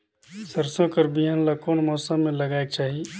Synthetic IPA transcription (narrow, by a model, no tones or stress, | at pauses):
səɾsõkəɾbiɦanlakoːnmɔːsəmːẽlɐɡaːek̚t͡ʃaːɦie